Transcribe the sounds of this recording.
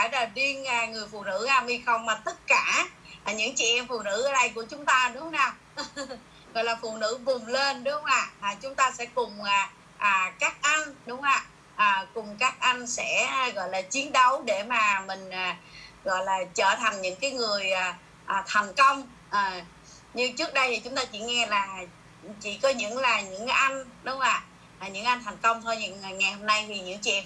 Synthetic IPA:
faː˧˩jlaː˨˩vi˧ənaː˨˩ŋɨ˨˩əjfṵ˧˨nɨ̰˧˥ʔaː˧mhi˧xə˧wŋ͡mmaː˨˩t̪ə˦˥t̚kaː˧˩˨ | ɲɨ̰˧˥ŋt͡ɕḭ˧˨ʔɛ˧mfṵ˨nɨ̰˧˥ʔəː˨˧ɗə˧jku˧˩ət͡ɕʊ˨˦ŋ͡mt̪aː˧ɗʊ˨˦ŋ͡mnaː˨˩w | ɣɔ̰˧˨jlaː˨˩fṵ˧˨nɨ̰˧˥vʊ˨˩ŋ͡mle˧nɗʊ˨˦ŋ͡ma̰ː˧˩laː˨˩t͡ɕʊ˨˦ŋ͡mt̪aː˧sɛ̰˧˥kʊ˨˩ŋ͡mʔaː˨˩ | ʔaː˨˩kaː˦˥k̚ʔa˧nɗʊ˨˦ŋ͡maː˧˨˩ | ʔəː˨˩kʊ˨˩ŋ͡mkaː˦˥k̚ʔa˧nsɛ̰˧˥˨ɣɔ̰˧˨jlaː˨˩t͡ɕi˨˦ənɗə˨˦wɗe˧˩maː˨˩mï˨˩ŋ̟ʔaː˨˩ɣɔ̰˧˨jlaː˨˩t͡ɕəː˧˩t̪ʰa˨˩ŋ̟ɲɨ̰˧˥ŋkaː˨˦jŋɨ˨˩əjʔaː˨˩ | ʔːt̪ʰa˨˩ŋ̟kə˧wŋ͡m | ʔaː˨˩ | ɲɨ˧ŋt͡ɕɨ˦˥k̚ɗə˧jt̪ʰi˨˩t͡ɕʊ˨˦ŋ͡mt̪aː˧t͡ɕḭ˧˩ŋɛ˧laː˨˩ | t͡ɕḭ˧˩kɔ˨˦ɲɨ̰˧˥ŋlaː˨˩ɲɨ̰˧˥ŋʔa˧jŋ̟ɗʊ˨˦ŋ͡mʔaː˧˩ | ʔɲɨ̰˧˥ŋʔa˧jn̟t̪ʰa˨˩ŋ̟kə˧wŋ͡mt̪ʰo˧ji˧˩˨ŋa˨˩jho˧mna˧jt̪ʰi˨˩ɲɨ̰˧˥ŋt͡ɕḭ˧˨n

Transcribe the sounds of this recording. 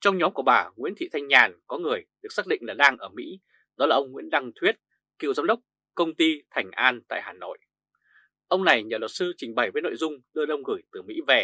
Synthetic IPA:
t͡ɕɔ˧wŋ͡mɲɔ˨˦mku˧˩əɓaː˧˩ŋwḭ˧˥ənt̪ʰḭ˧˨t̪ʰa˧jŋ̟ɲaː˨˩nkɔ˨˦ŋɨ˨˩əjɗɨ˨˩k̚saː˦˥ɗḭ˧ŋlaː˨˩ɗaː˧ŋʔəː˧˩mḭ˧˥ | ɗɔ˨˦laː˨˩ʔə˧ŋ͡mŋwḭ˧˥ənɗa˧ŋt̪ʰwi˦˥ət̚ | kḭ˧˨wzaː˨˦mɗə˦˥wk͡p̚ | kə˧wŋ͡mt̪i˧t̪ʰa˨˩ŋ̟ʔaː˧nt̪a̰ː˧˨jhaː˨˩no̰˧˨j | ʔə˧wŋ͡mna˨˩jɲəː˨˩lə˨˩t̚sɨ˧t͡ɕï˨˩ŋ̟ɓə˨˩jvəː˨˦no̰˧˨jzʊ˧ŋ͡mɗɨ˧əɗə˧wŋ͡mɣɨ˧˩jt̪ɨ˨˩mḭ˧˥ve˨˩

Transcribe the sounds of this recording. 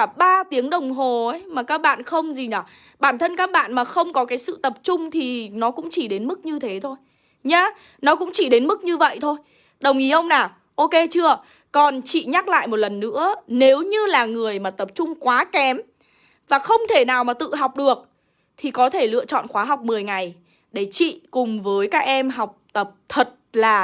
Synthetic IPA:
ɓaː˧t̪i˨˦əŋɗə˨˩wŋ͡mɦo˨˩ə˨˦jmaː˨˩kaː˦˥k̚ɓa̰ː˧˨nxə˧wŋ͡mzi˨˩naː˨˩ | ɓaː˧˩nt̪ʰə˧nkaː˦˥k̚ɓa̰ː˧˨nmaː˨˩xə˧wŋ͡mkɔ˨˦kaː˨˦jsɨ̰˧˨t̪ə˨˩p̚t͡ɕʊ˧ŋ͡mt̪ʰi˨˩nɔ˨˦kʊ̰˧˥ŋ͡mt͡ɕi˧˩ɗe˨˦nmɨ˦˥k̚ɲɨ˧t̪ʰe˨˦t̪ʰo˧j | ɲaː˧ | nɔ˨˦kʊ̰˧˥ŋ͡mt͡ɕi˧˩ɗe˨˦nmɨ˦˥k̚ɲɨ˧və̰˧˨jt̪ʰo˧j | ɗə˨˩wŋ͡mʔi˨˦ʔə˧wŋ͡mnaː˨˩ | ʔo˧ke˧t͡ɕɨ˧ə | kɔ˨˩nt͡ɕḭ˧˨ɲa˦˥k̚la̰ː˧˨jmo˨˩t̚lə˨˩nːɨ̰˧˥əne˨˦wɲɨ˧laː˨˩ŋɨ˨˩əjmaː˨˩t̪ə˨˩p̚t͡ɕʊ˧ŋ͡mkwaː˨˦kɛ˨˦m | vaː˨˩xə˧wŋ͡mt̪ʰe˧˩naː˨˩wmaː˨˩t̪ɨ̰˧˨ɦa˨˩wk͡p̚ɗɨ˨˩ək̚ | t̪ʰi˨˩kɔ˨˦t̪ʰe˧˩lɨ̰˧˨ət͡ɕɔ̰˧˨nxwaː˨˦ɦa˨˩wk͡p̚mɨ˨˩əjŋa˨˩j | ɗe˧˩t͡ɕḭ˧˨kʊ˨˩ŋ͡mvəː˨˦jkaː˦˥k̚ʔɛ˧mɦa˨˩wk͡p̚t̪ə˨˩p̚t̪ʰə˨˩t̚laː˨˩

